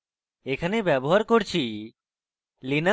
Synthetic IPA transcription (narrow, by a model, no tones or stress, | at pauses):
ekʰanebɛboɦaɾkoɾt͡ɕʰi | lina